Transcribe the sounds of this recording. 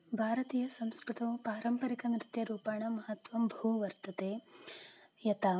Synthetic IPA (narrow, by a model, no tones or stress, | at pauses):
bʱaːɾɐt̪iːjɐsɐmskɾut̪ɐpaːɾɐmpɐɾikɐnɾɪt̪jɐɾuːpaːɳɐmɐɦɐt̪ʋɐmbʱɐɦuʋɐɾt̪ɐt̪eː | jɐt̪aː